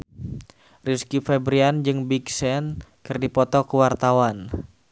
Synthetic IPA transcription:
riskifɛbɾiand͡ʒɨŋbiksɛnkɨrdipɔt̪ɔkəwart̪awan

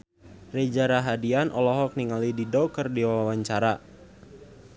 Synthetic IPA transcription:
red͡ʒaɾaɦadianʔɔlɔɦɔk̚niŋalididɔkərdiwaawaɲt͡ʃaɾa

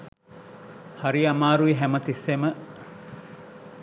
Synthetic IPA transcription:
hɐɾiɐmaːɾuiɦæmɐt̪isemə

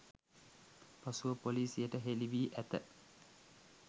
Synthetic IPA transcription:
pasuʋəpoliːsijəʈəɦeliʋiːʔæt̪ə̰

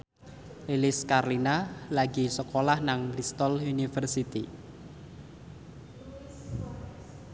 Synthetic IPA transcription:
lilɪskarlinalaɡi̤səkolahnaŋɾist̪ɔlunifərsit̪ḭ

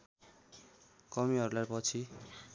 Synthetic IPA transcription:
kʌmiɦʌɾularpʌt͡sʰi

